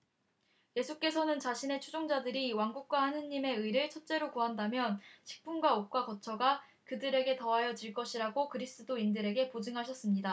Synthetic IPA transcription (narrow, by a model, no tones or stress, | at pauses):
je̞sʰuk͈e̞sʰʌnɯnt͡ɕaɕʰine̞t͡ɕʰud͡ʑoŋd͡ʑadɯɾiwaŋɡuk̚k͈wahanɯɲːime̞ɯiɾɯɭt͡ɕʰʌt͡ɕ͈e̞ɾokuɦandamjʌnɕʰi̥k̚p͈unɡwaok͈wakʌt͡ɕʰʌɡa | kɯdɯɾe̞ɡe̞tʌɦajʌd͡ʑiɭk͈ʌɕʰiɾaɡokɯɾis͈ɯdoindɯɾe̞ɡe̞pod͡ʑɯŋɦaɕʰʌs͈ɯmɲida